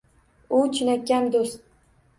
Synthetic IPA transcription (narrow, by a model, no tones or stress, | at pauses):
ʊt͡ʃʰɪnakʲːand̪ost̪̚